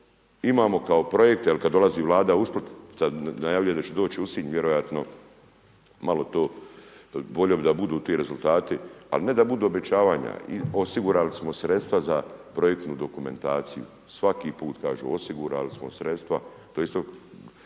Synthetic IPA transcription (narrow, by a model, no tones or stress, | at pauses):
imaːmo̞kao̞pɾo̞jek̚t̪jelkad̪dːo̞lˠaziːʋlˠaːd̪ausplot̪sad̪najaːʋʎujed̪at͡ɕed̪o̞ːt͡ʃiusiːɲʋjeɾojat̪no̞ | malo̞t̪oː | bo̞ʎobid̪abud̪uːt̪iːɾe̞zulˠt̪aːt̪ia̰line̞d̪abud̪uːobe̞t͡ʃaːʋaːɲa̰ḭosiɡuɾalismo̞sɾe̞t̪st̪ʋazapɾo̞jek̚t̪nuːd̪o̞kume̞̰nt̪aːt̪sijṵ | sʋakiːpuːt̪kaːʒṵosiɡuɾa̰lismosɾe̞t̪st̪ʋa | t̪ojeist̪o